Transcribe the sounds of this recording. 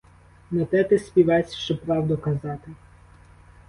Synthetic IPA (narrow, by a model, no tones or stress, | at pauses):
nɐt̪ɛt̪ɛsʲpʲiʋɛsʲʃt͡ʃɔpɾɑwd̪ɔkɐzɑt̪ɪ